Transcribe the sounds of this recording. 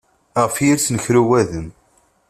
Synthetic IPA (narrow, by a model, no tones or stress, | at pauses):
ʁfjiɾt͡sːnəçɾuwæðəm